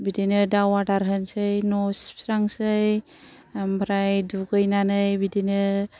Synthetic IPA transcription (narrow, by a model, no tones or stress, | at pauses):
bidinɯdawaʈaɾɦənsɯjnɔspʰɾaŋsɯj | ambʱɾajdukɯjnanɯjbidinɯ